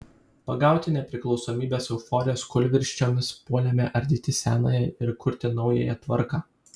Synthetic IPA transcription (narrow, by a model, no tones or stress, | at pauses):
pɐɡɑˑʊt̪ʲɪnʲɛpʲɾʲɪklˠɒʊsoːmʲiːbʲeːsɛʊfɔːɾʲɪjoːskʊlʲʋʲɪɾʲʃʲt͡ʃʲoːmʲɪspuɔlʲɛmʲɛʔɐɾʲd̪ʲit̪ʲɪsʲæːnɐ̰ːjɛɪɾkʊɾʲt̪ʲɪnɒʊjɛ̰jɛt̪ʋɐɾkɑː